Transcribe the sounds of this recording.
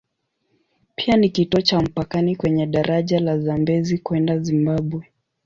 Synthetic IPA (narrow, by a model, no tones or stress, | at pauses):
pʰianikitɔt͡ʃam̩pakanikwɛɲɛɗaɾʔaʄalazambɛzikwɛndazimbaɓwɛ